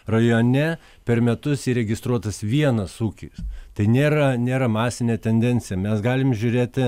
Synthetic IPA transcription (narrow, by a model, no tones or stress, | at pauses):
rɐjoːnʲɛ | pʲɛrmʲɛt̪ʊsiːɾʲɛɡʲɪst̪ɾuɔt̪ɐsʋʲiɛnɐsuːkʲḭːst̪ɐɪnʲeːɾɐnʲeːɾɐmɑːsʲɪnʲeːt̪ʲɛnʲd̪ʲɛnʲt̪sʲɪjɛmʲɛsɡɑːlʲɪmʒʲʊɾʲeːt̪ʲɪ